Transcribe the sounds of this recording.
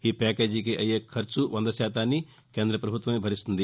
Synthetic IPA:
ɦipɛːkeːd͡ʒikeʔɐjekʰːɐɾt͡ʃuʋɐ̃nd̪ɐsjaːt̪aːni | kẽːnd̪ɾəpɾɐbʱʊt̪wʋɐmẽbʱɐɾɪsund̪i

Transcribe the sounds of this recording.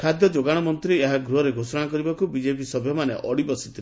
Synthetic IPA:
kʰad̪jɔd͡ʒoɡaɽ̃ɔmɔnt̪ɾieɦaɡɾuɦɔɾeɡʱosɔɽ̃akɔɾibakubid͡ʒepisɔbʱjɔmanḛʔɔɽibɔsi̥t̪ʰil

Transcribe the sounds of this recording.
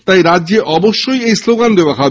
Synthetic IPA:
t̪ajɾadːʑeʔɔboʃːojejsloɡand̪eoakʰa

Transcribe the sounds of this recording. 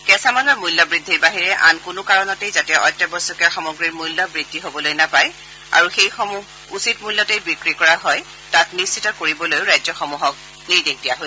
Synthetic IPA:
kɛsamalɔɹmujlːɔbɹidʱːiɹbaɦiɹɛʔa̰nkʊnʊkaɹɔnɔtejzatɛʔɔ̰jtːɛbɔsɔkɛxɔmɔɡɹiɹmujlːɔbɹidʱːiɦobɔlojnapaj | a̰ɹuxejxɔmuɦ | usitmujlːɔtejbikɹikɔɹaɦɔj | tatnissitɔkoɹibɔlojʊɹajzɔxɔmuɦɔk̚ | niɹdektijaɦo

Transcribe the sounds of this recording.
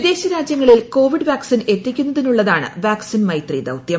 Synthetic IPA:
d̪e̞ːɕɐɾaːd͡ʑjɐŋːɐɭilko̞ːʋiɖɨʋaːksine̞t̪ːikʲːunːɐðinuɭːɐðaːɳɨ̰ʋaːksinmɐjt̪riːd̪ɐ̰wt̪jɐm

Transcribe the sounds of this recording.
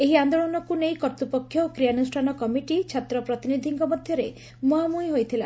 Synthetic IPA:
eɦiand̪oɭɔnɔkunejkɔɾt̪upɔkʰːjɔkɾijanusʈʰanɔkɔmiʈit͡ʃʰat̪ɾɔpɾɔt̪inid̪ʱiŋkɔmɔd̪ʱjɔɾe | muɦamujɦojt̪ʰila̰

